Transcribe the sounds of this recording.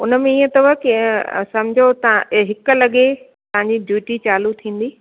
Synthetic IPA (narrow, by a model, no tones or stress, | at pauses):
ʊnəmẽiːə̃t̪ɐʋəkesɐ̃md͡ʑʱot̪ɦɪkə̆lɐɠe | t̪ɐʋɦãɲ̆d͡ʑiɖʱjuːʈit͡ɕaːlut̪ʰĩːn̆d̪iː